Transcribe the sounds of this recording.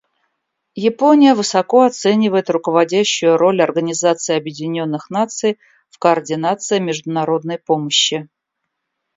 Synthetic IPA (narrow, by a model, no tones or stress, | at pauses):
jɪponʲɪjəvɨsɐko̞ɐt̪sɛnʲɪvəjɪt̪rʊkəvɐdʲæɕːʊjʊɾo̞lʲɐrɡənʲɪzat̪sɨɪɐbjɪdʲɪnʲo̞nːɨxnat̪sɨj | fkəːrdʲɪnat̪sɨɪmʲɪʐd̪ʊnɐɾo̞d̪̚nəjpo̞məɕːɪ